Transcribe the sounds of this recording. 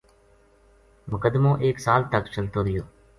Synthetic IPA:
mʊkəd̪mõːʔeːksaːlt̪əkt͡ʃəlt̪oːd̪ɪjoː

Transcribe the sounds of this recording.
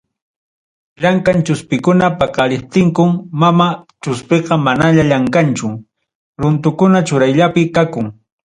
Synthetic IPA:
ʎaŋkant͡ʃʊspɪkʊnapɑqɑɾɪp̚t̪ɪŋkʊmːamat͡ʃʊspeqɑmanaʎaʎaŋkant͡ʃʊ | ɾʊnt̪ʊkʊnat͡ʃʊɾajʎapɪkakʊŋ

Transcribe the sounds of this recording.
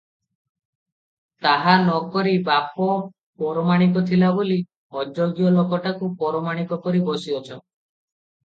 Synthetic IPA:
t̪aɦanɔkɔɾibapɔ | pɔɾɔmaɽ̃ik̬ɔt̪ʰilaboli | ɔd͡ʒɔɡjɔlokɔʈakupɔɾɔmaɽ̃ikɔkɔɾibɔsiɔt͡ʃʰɔ

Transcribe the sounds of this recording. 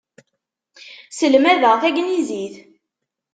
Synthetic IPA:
səlmæðəʁθæɡniziθ

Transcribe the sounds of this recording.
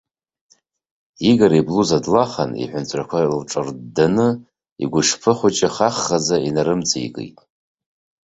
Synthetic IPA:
iɡaɾibluzadlaχa̰nḭħʷʊnt͡sʷʰʼrakʷʰalʈ͡ʂʼɨrdanɨ | ḭɡʷʊʂpʰɨχʷʊt͡ʃʼɪχaχːazainaɾɨmt͡sʰʼaḭkʼɨ̰tʼ

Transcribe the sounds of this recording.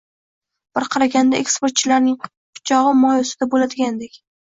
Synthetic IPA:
b̥ɪɾqʰɑɾaɡʲand̪aʔekspe̞ɾt̪̚t͡ʃʰɪlaɾnɪŋ | qʰʊ̥t͡ʃʰɒʁɨmɒjɒsɪd̪abolad̪ɪɡʲand̪ekʲ

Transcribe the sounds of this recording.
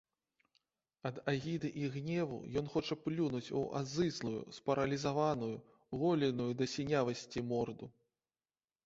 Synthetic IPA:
ɐd̪aɣʲid̪ɨʔiɣnʲɛvṵjɔn̪xɔt͡ʂɐplʲunut͡sʲṵʔa̰zɨslˠujṵspɐɾɐlʲizavanuju | ɣɔlʲinujud̪ɐsʲinʲavɐsʲt͡sʲimɔrd̪u

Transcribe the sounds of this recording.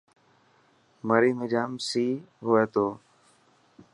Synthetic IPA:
məɾiːmɪd͡ʒaːmsiː | ɦoːeːt̪oː

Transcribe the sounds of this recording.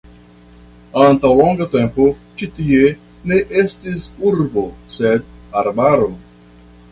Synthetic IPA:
antawlo̞ŋɡate̞mpo̞t͡ʃitie̞ | ne̞ʔestisuɾbo̞se̞daɾbaɾo̞

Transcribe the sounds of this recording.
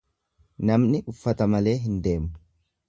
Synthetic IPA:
nɐmnɪʊfːɐt̪ɐmɐle̞ːɦɪnd̪e̞ːmʊ

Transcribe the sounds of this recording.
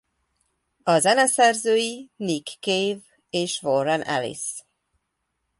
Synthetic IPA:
ɒzɛnɛsɛrzøːjinikːejv | eːʃvoɾɛnʔɛ̰lḭs

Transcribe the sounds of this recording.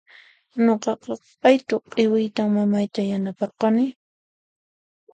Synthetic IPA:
ɲoqɑqɑ | ajt̪oqʼɪwɪjt̪aŋmamajt̪ajanapɑqɑnɪ

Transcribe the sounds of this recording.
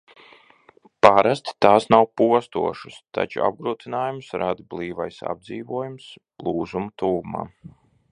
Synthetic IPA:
paɾast̪t̪aːsnawpuɔst̪ṵɔʃu̥st̪a̰t͡ʃṵa̰b̚ɡɾuːt̪inaːjumsɾad̪blˠiːvajsa̰b̚d̪ziːvuɔjums | lˠuːzumt̪uːuma̰ː

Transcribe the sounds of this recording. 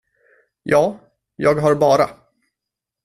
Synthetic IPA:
jɑː | jɑːɡɦaɾbɑːɾa

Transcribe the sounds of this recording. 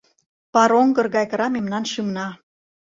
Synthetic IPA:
pɑɾoŋɡɤ̆rɣɑjkə̆ɾɑmemnɑnʃɯmnɑ

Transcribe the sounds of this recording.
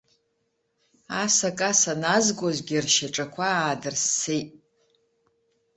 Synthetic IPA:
asakʼasanazɡʷʼozɡʲirʃaʈ͡ʂʼakʷʰaaːdɨrsːejtʼ

